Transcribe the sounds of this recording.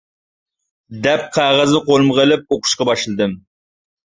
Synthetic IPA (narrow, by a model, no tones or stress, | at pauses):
d̪ɛp̚qʰæʁɨznɨqolˠmʁelɪp̚oqʰʊ̥ʃqɑbɑʃlˠɨd̪ɨm